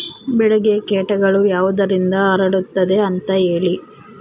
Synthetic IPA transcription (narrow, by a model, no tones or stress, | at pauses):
bɛɭɛɡekɛːʈɐɡɐɭujaːʋud̪ɐɾind̪ɐɐɾɐɽut̪ːɐd̪e̞ɐnt̪ɐɦe̞ːɭi